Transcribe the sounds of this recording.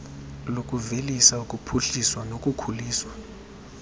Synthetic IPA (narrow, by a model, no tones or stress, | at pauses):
lokʼuvelisaukʼupʰuɬiswanokʼukʰuliːswa